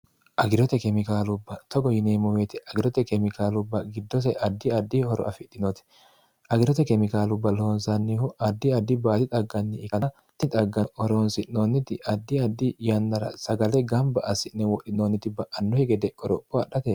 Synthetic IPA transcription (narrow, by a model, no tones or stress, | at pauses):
ʔɐɡɪɾɔt̪ɛkɛmɪkaːlʊbːɐt̪ɔɡɔjɪneːmɔweːt̪ɪɐɡɪɾɔt̪ɛkɛmɪkaːlʊbːɐɡɪd̪ːɔtɛʔɐd̪ːɪɐd̪ːɪhɔɾɔ̰ʔɐfɪᶑ̪ːɪnɔt̪ɛ̥ | ʔɐɡɪɾɔt̪ɛkɛmɪkaːlʊbːɐlɔhɔnsɐnːihʊʔɐd̪ːɪɐd̪ːɪbaːt̪ɪt̪ʼɐɡːɐnːɪːkɐn | t̪ɪt̪ʼɐɡːɐhɔɾoːnsɪnnoːnːɪt̪ɪʔɐd̪ːɪɐd̪ːɪjɐnːɐɾɐ̰sɐɡɐlɛɡɐmbɐʔɐsɪnnɛwɔɗɪnoːnːɪt̪ɪbɐʔɐnːɔhɛɡɛd̪ɛʔɔɾɔpʼːɔɐɗɐt̪ɛ